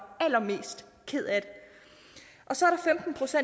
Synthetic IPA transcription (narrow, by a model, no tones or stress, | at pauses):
æl̰ɐme̝̰ːsd̥ | kʰe̝ð̰ˠæd̥e | ʔɒ̽sɒɐɾɑ̈femd̥n̩pʰʁo̝sen